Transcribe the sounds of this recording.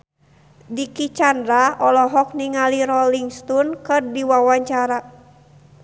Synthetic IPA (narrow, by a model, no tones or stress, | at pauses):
dikit͡ʃandɾaʔɔlɔɦɔk̚niŋaliɾɔliŋst̪ɔnkɨrdiwawaɲt͡ʃaɾa